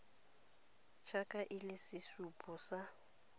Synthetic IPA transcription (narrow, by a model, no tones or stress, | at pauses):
t͡ʃʰakʼaʔɪlɪsɪsupʼɔsa